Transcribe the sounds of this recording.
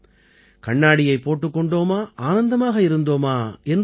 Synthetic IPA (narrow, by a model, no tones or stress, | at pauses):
kɐɳːaːɽɪjɐɪpːoːʈːɯkːɔɳɖoːmaːʔaːnɐnd̪ɐmaːɣɐɪɾɯnd̪oːmaːɛn